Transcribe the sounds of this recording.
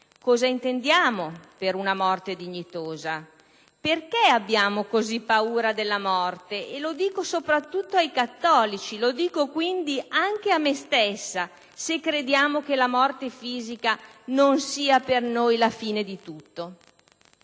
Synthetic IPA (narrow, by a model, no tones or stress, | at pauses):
kɔːzaint̪end̪jaːmopeɾunamɔrt̪ed̪iɲːit̪oːza | perkeabːjaːmokozipːauːɾad̪elːamɔrt̪eʔelod̪iːkosopɾat̪ːut̪ːoajkat̪ːɔːlit͡ʃilod̪iːkokwind̪iaŋk̟eamːest̪esːa | sekːɾed̪jaːmok̟elamɔrt̪efiːzikanonsiːapernojlafiːned̪it̪ut̪ːo